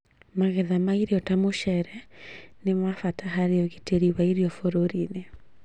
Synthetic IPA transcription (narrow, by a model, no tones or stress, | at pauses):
maɣɛðamaiɾeɔtamoʃɛɾɛnemafataɦaɾeɔɣiteɾiwaiɾiɔfoɾoɾine